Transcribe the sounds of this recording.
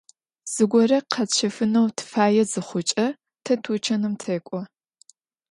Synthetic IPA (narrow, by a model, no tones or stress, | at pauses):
z̥ɨɡʷɔrɐqʰɐt͡ʃʰɐfɨnɐwtʰfaːjɛzɨχʷʊt͡ʃʼɐ | tʰɐtʰuːt͡ʃʰɐnɨmtʰeːkʷʼɔ